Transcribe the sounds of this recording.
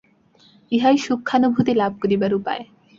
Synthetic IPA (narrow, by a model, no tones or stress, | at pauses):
iɦajʃukʰːanobʱut̪ilab̚koɾibaɾupa̰e